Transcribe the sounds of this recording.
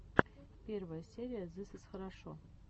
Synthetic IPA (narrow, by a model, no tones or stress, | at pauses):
pʲervɐjəsʲeɾʲɪjəzɨsɨsxəɾɑʂo̰